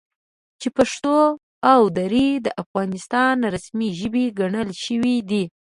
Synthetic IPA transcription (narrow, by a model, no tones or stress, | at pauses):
t͡ʃepaʂt̪o | awd̪aɾid̪əʔafɣɑnɪst̪ɑnɾasmiʒəbiɡaɳəlʃəwid̪i